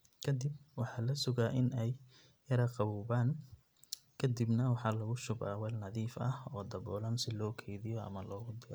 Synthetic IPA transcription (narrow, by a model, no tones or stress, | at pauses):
kʰɐd̪ɪb̚wɑħɑːlɐsʊɣaːʔɪnɛjː | ɐɾɐqɑβʊːbaːŋ | kʰɐd̪ibnɐwɑħɑːlɐɣʊʃʊba̰ːwɛlnɐðiːfɐhɔːd̪ɐbɔːlɐnsɪlɔːkʰɛjðɪjɔɐ̰mɐlɔːɣʊd̪ɛ